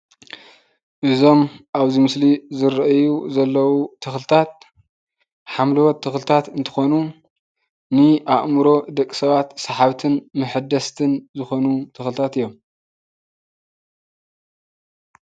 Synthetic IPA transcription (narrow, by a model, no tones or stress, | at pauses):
ʔɨzo̞mʔaβzimɨslizɨɾɐʔjuzɐlːɐwut̪ʰɨxlɨt̪ʰat̪̚ | ħamlɨwɔt̪ʰːɨxlt̪ʰat̪ɨnt̪ʰɨ̥xo̞nu | nɨʔaʔmɨɾo̞d̪ɐkʼːi̥sɐβat̪saħaβt̪ʰɨnmɨħɨd̪ɐst̪ʰɨnzɨxo̞nut̪ʰɨxlɨt̪ʰat̪ɨjːom